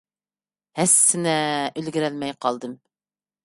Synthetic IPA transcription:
hæsːɪnɛølɡʲiɾɛlmɛjqʰɑlˠd̪ɨm

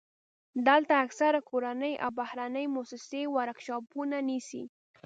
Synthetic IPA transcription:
d̪alt̪aːksaɾakoɾanəjʔa̰wbahɾanəjmosɪsewaɾakʃɑpunanisḭ

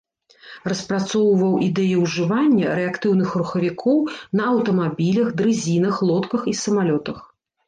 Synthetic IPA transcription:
rɐspɾat̪sɔwvɐwʔid̪ɛjiwʐɨvanʲːɐɾɛakt̪ɨwn̪ɨxɾuxɐvʲikʰɔwnɐɐwt̪ɐmabʲilʲɐxd̪ɾɨzʲinɐxlˠɔt̪kɐxisɐmalʲɔt̪ɐx

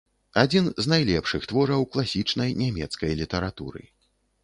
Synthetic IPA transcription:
ad͡zʲinznajlʲɛpʂɨxt̪vɔɾɐwklˠasʲit͡ʂnɐjnʲamʲɛ̰t̪skɐjlʲit̪ɐɾat̪ṵɾɨ̰

